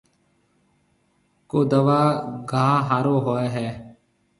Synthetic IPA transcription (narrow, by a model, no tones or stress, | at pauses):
koːd̪əʋaːɡaːɦaːɾoːɦoːeːɦɛː